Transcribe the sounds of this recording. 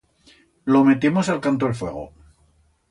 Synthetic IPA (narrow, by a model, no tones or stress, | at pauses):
lome̞t̪emosalkant̪oelfwe̞ɣ̞o̰